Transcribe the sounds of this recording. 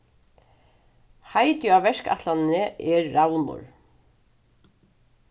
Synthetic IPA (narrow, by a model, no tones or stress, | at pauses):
hajt̪jʏavɛʂka̰t̪lannɪʔɛɾːawnʊ̰ɹ